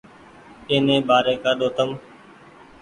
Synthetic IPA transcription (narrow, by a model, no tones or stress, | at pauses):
eːnẽːbaːɾeːkaːɗoːt̪əm